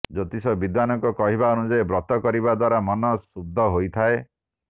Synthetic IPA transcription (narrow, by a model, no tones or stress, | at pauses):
d͡ʒɔt̪isɔbid̪wanɔŋkɔkɔɦibaɔnud͡ʒajebɾɔt̪ɔkɔɾibad̪waɾamɔnɔsub̚d̪ʱːɔɦojt̪ʰae